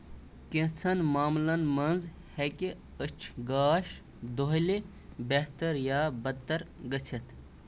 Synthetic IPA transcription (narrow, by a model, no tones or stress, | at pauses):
kẽt͡sʰɐnmaːmlɐnmɐnz | heke | ət͡ʃʰɡaːʃ | d̪oɦli | beht̪əɾjaːbɐt̪ːɐɾɡət͡sʰɐt̪